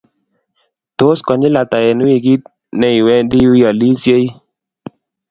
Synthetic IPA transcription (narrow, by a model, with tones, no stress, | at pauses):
to˦skɔ˨ɲi˦la˨ta˨jɛ˨nu˦i˨ɡi˦t̚ | nɛ˨i˨wɛ˦ndi˦wi˦jɔ˨li˦sje˦i˦